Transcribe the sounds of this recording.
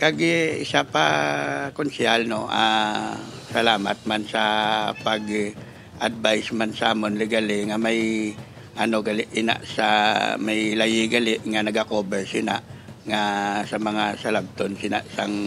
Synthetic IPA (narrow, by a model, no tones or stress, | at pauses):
kaɡɪsapa̰kʊnsɪalnoʔa̰ | sɐlaːma̰t̪̚mansapaɡ | ʔad̪̚bajsmansaʔamonlɪɡalɪŋamaj | ʔɐnoɡalɪʔɪna̰ʔsa̰majlajɪɡalɪʔŋanɐɡakoːbɛɹsɪna̰ŋasamɐŋasalab̚t̪onsɪna̰ʔsaŋ